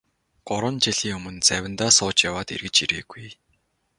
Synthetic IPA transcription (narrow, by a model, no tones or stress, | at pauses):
ɢ̥ʊɾwə̆nt͡ɕiɮ̥iːŋɵmɵ̆nt͡sæwʲɪ̆nt̪aːsʊːt͡ɕjawaːt̪ḭrɣɘ̆t͡ɕiɾḛːɡuj